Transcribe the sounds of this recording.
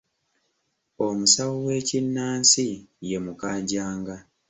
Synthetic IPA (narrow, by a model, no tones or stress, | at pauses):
o̞musawuwe̞ːcinːaːnsije̞mukaːɟaːŋɡa